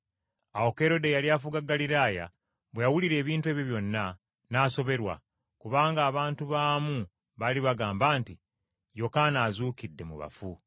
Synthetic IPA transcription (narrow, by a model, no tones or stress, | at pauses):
awo̞ke̞ɾo̞de̞jaliaːfuɡaɡaliɾaːja̰ | βwejawuliɾe̞ːβiːntwe̞βjoβjo̞nːa | naːso̞βe̞ɾwa̰ | kuβaːŋɡaːβaːntuβaːmu | βaliβaɡaːmbaːnti | jo̞kaːnaːzuːkidːe̞mṵβa̰fu